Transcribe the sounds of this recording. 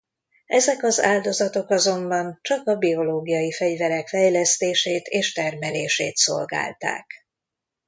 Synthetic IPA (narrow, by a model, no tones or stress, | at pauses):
ɛzɛkɒza̰ːld̪o̞zɒt̪o̞kɒzo̞mbɒnt͡ʃɒkɒbio̞loːɡijɒjifɛɟvɛɾɛkfɛjlɛst̪eːʃeːt̪eːʃt̪ɛrmɛleːʃḛːt̪so̞̰lɡa̰ːlt̪a̰ːk